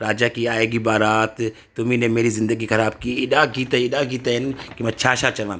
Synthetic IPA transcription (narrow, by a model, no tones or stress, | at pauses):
ɾaːd͡ʒaːkiaːeːɡibaːɾaːt̪ | t̪ːʊmĩnemeːɾizɪ̃nd̪əɡixɐɾaːbkiːɪɗaːɡiːt̪eɪɗaːɡiːt̪eɦɪnkimɛ̃ːt͡ʃʰaːʃaːt͡ʃɐʋãː